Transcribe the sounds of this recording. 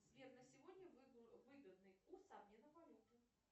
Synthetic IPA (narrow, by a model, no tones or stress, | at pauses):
zʲvʲed̪nɐsʲɪvɔd̪ʲnʲɐvɨɡɐd̪̚nɨusamnʲɛnɐpalʲut̪ɨ